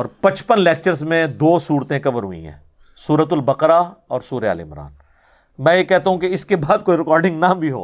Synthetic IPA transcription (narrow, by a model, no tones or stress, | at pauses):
ɔːɾpɐ̃t͡ʃpənleːk̚t͡ʃəɾzmẽd̪oːsuːɾt̪ẽkɐʋəɾɦʊḭ̃ɦɛ̰̃ː | suːɾət̪̬ʊlbɐqɾaɔːɾsuːɾea̰ːlḛɪ̰mɾa̰ːn | mɛ̃ːjekɛɦt̪aɦũkeɪskebaːd̪̚koːiɾɪkɔːɾɖɪ̃ŋɡnabʱiɦo̰ː